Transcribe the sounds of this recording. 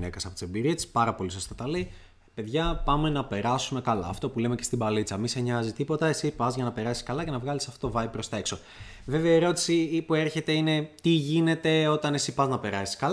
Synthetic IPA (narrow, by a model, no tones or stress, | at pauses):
nekɐsɐpot̪isembiɾie̥spɐɾɐpo̞lisost̪ot̪ɐlei | pe̞ðʝɐpɐme̞nɐpe̞ɾɐsume̞kɐlɐːft̪o̞pule̞me̞ce̞st̪ibɐlit͡sɐmiseɲɐzit̪ipo̞t̪ɐe̞sipɐzʝɐnɐpe̞ɾɐsiskɐlɐce̞nɐvɣɐlisɐft̪ot̪ovɐib̚pːɾo̞st̪ɐe̞kso̞ | ve̞veɐieɾo̞t̪i̥sipue̞ɾçe̞t̪e̞ine̞t̪iʝine̞t̪e̞o̞t̪ɐne̞sipɐznɐpe̞ɾɐsi̥skɐl